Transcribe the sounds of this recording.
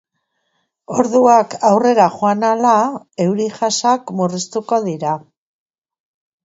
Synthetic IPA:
o̞ɾðuakawre̞ɾaχoanala | e̞wɾiʝasakmurist̪uko̞ðiɾa

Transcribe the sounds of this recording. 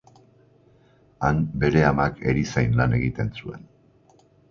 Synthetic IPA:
anbe̞ɾe̞amake̞̰ɾisajnlane̞ɣit̪e̞nt͡sue̞n

